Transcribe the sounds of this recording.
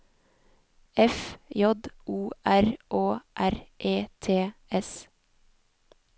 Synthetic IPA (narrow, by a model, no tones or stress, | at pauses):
ʔɛfjɔd̪ʔuːʔæɾʔoːʔæɾʔeːt̪ʰeːʔɛs